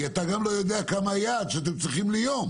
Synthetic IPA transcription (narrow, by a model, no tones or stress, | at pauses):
at̪aɡamlo̞jo̞d̪eakamajaːd̪ʃeat̪emt͡sʁiχimlijom